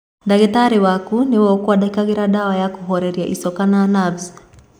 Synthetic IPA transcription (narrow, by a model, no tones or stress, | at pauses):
ndaɡɛtaɾiwakuniwɔkuwaɗakikaɡɛɾaɗawajakuɦɔɾɛɾiaʔisɔkananavz